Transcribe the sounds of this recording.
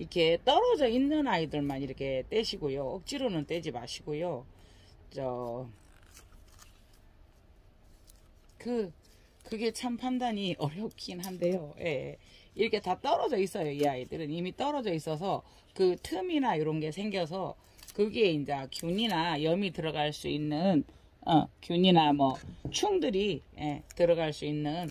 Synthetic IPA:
ikʰe̞t͈ʌɾʌd͡ʑʌinːɯnaidɯɭmaniɾʌkʰe̞t͈we̞ɕʰiɡojoʌk̚t͡ɕ͈iɾonɯnt͈e̞d͡ʑima̰ɕʰiɡojo | t͡ɕ͈ʌ | kɯ | kɯɡe̞t͡ɕʰampʰandaɲiʔʌɾjʌp̚k͈inɦande̞jojʔe̞̰ | iɾʌkʰe̞tat͈ʌɾʌd͡ʑʌis͈ʌjoijaɡidɯɾɯnimit͈ʌɾʌd͡ʑʌis͈ʌs̬ʰʌ | kɯtʰɯminajoɾʌnɡe̞sʰe̞ŋɡjʌs̬ʰʌ | kɯɡe̞ind͡ʑakjuɲinajʌmitɯɾʌɡaɭs͈uinːɯn | ʌ̰kjuɲinamʌt͡ɕʰuŋdɯɾije̞tɯɾʌɣaɭs͈uinːɯn

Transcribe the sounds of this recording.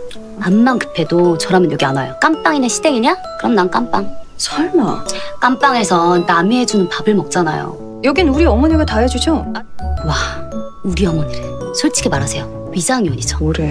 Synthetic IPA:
amːankɯ̥pʰe̞dot͡ɕʌɾɦamjʌnjoɡeanajok͈amp͈aŋinɯnɕʰideŋiɲa | kɯɾʌmnamk͈amp͈aŋsʰaɭmak͈amp͈aŋe̞sʰʌnamied͡ʑunɯnpabɯɭmʌk̚t͡ɕ͈ana̰jo̰ | jʌɡinuɾiʌmʌɲiɡatajʌd͡ʑud͡ʑowa | uɾiʌmʌɲiɾesʰoɭt͡ɕʰi̥ɡʰemaɾasʰe̞jo | ɥisʰaŋioɲid͡ʑo̥ɾe

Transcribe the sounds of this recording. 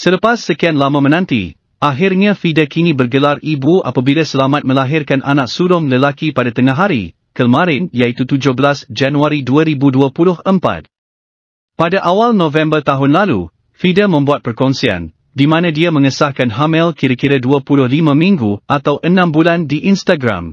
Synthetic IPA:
sələpasːəkianlamãmə̃nãnt̪ḭ | ʔaɦɪrɲãfidakinibərɡəlaribua̰pabilasəlamat̪̚mə̃laɦɪrkanʔa̰nãk̚suɾʊmləlakipadat̪əŋaɦaɾḭ | kəlmãɾɪnjait̪ut̪ud͡ʒʊhbəlasd͡ʒanuaɾiduaɾibuduapulʊhəmpa̰t̪̚ | padaʔawalnɔ̃vɛ̃mbərt̪aɦʊnlalṵ | fidamə̃mbuat̪̚pərkɔnsia̰n | dimãnãdiamə̃ŋəsahkanɦamɛlkiɾakiɾaduapulʊhlimãmĩŋɡuʔat̪awʔənãmbulandiʔinst̪aɡɾa̰m

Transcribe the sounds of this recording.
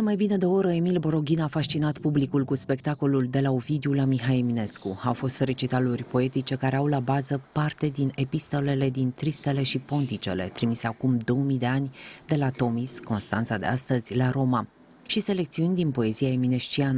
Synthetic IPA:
d̪emajbine̞d̪ooɾəemilbo̞ɾo̞ɡʲinafaʃt͡ʃinat̪publikulkuspe̞kt̪ako̞luld̪e̞laovid̪eulamiɦaemine̞skuawfo̞st̪re̞t͡ʃit̪alurʲpo̞e̞t̪it͡ʃe̞kaɾe̞awlabazəpart̪e̞d̪ine̞pist̪o̞le̞le̞d̪int̪ɾist̪e̞le̞ʃipo̞nt̪it͡ʃe̞̰le̞̰t̪ɾimise̞akumd̪o̞wmid̪e̞anʲd̪e̞lat̪o̞misko̞nst̪ant̪sad̪e̞̰ast̪əzʲlaɾo̞ma | ʃise̞le̞k̚t̪siunʲd̪inpo̞e̞ziaemine̞ʃt͡ʃian

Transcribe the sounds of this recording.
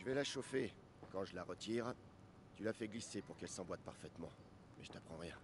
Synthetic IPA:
t̪yvɛlaʃofe | kɑ̃ʒəlaʁət̪iʁ | t̪ylafɛɡlisepuʁkɛlsɑ̃bwat̪̚paʁfɛt̪mɑ̃ | mɛ̰ʒə̥t̪apχɑ̃ʁjɛ̃

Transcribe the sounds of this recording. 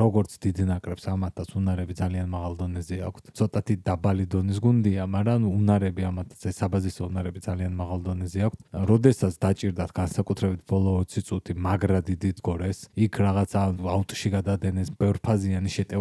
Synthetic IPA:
ɾɔɡɔɾt̪sʰd̪id̪nakʼɾɛpsamat̪ʰːat̪sʰunaɾɛbid̪zalianmaʁalˠd̪ɔnɛzɛa̰kʷʰt̪ʰsʰɔt̪ʼat̪ʰid̪abalid̪ɔnis̬ɡund̪iamaɾanuːnaɾɛbiamat̪ʰːat̪sʰɛsːabazisɔunaɾɛbid̪zalianmaʁalˠd̪ɔnɛzɛakʰt̪ʰɾɔd̪ɛsat̪ʰd̪at͡ʃʼiɾd̪at̪ʰɡ̥ansakʼut̪ʰɾɛbit̪̚ʰbɔlˠɔːt̪sʰit̪sʼut̪ʰimaɡɾad̪id̪id̪ɡɔɾɛsikʰɾaʁat̪sʰaaut̪ʼʃiɡad̪ad̪ɛnɛsbɛvɾpʰazianiʃɛt̪ʼɛ

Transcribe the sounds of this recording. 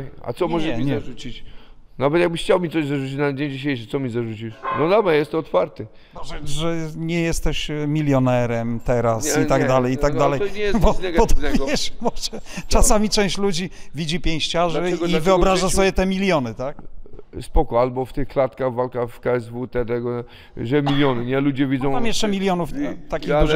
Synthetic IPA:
a̰sɔmɔʐɛɲɛut͡ɕinavɛt̪jaɡ̚bɘxt͡ɕawmʲit̪sɔʑzaʐut͡ɕit͡ɕnad͡ʑeɲd͡ʑiɕ̬ejʂɘsɔmʲizaʐut͡ɕiʂnɔd̪abajɛst̪ɔɔt̪faɾt̪ɘ | ɛʐɛɲɛjɛst̪ɛɕmʲilʲjɔnɛɾɛmt̪ɛɾasit̪aɡd̪alɛjit̪aɡ̚d̪alɛjɛjbɔɛɡbɔt̪ɔvʲɛʂmɔʐɛt͡ʂasamʲit͡ʂɛ̃w̃ɕt͡ɕlud͡ʑivʲid͡ʑipʲjẽw̃ɕt͡ɕaʐɛivɨɔbɾaʐasɔbʲjɛt̪ɛmʲilʲjɔnɘt̪ak̚spɔkɔalbɔft̪ɘxklat̪kaɣvalkafkaɛzvut̪ɛt̪ɛɡɔ | ʐɛmʲilʲjɔnɘɲɛlud͡ʑɛvʲidzɔ̃w̃mamjɛʂt͡ʂɛmʲilʲjɔnuft̪akʲiɣdu

